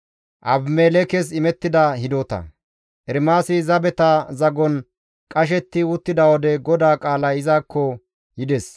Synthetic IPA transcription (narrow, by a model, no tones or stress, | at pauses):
ʔɐbmeːlɛkɛs̬ɪmɛt̪ːɪd̪ɐhɪd̪oːt̪ɐ̰ | ʔɛɾmaːsɪzɐbɛt̪ɐzɐɡɔn | kʼɐʃ̬ɛt̪ːɪʊt̪ːɪd̪ɐwɔd̪ɛɡɔd̪aːkʼaːlɐɪzaːkːɔ | hɪd̪ɛs